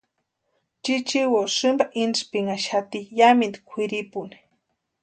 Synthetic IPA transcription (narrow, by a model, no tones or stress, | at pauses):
t͡ʃit͡ʃiwosɨmbaʔinspiŋaʃat̪ijamind̪i̥kʷʰiɾipuni̥